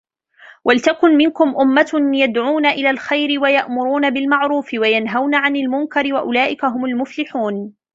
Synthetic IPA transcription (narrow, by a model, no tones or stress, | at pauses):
wʔalt̪akʊnmɪnkʊmʔʊmːajad̪ʕuːnaʔɪlaːlxajɾɪwajaʔmʊɾuːnabɪlmaʕɾuːfɪwajanɦawnaʕanalmʊŋkaɾɪwaʔʊlaːʔɪkaɦʊmʊlmʊflɪħuːn